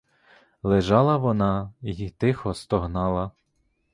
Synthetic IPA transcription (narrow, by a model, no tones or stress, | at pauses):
lˠeʒɑlˠɐʋɔnɑjit̪ɪxɔst̪ɔɦnɑlˠɐ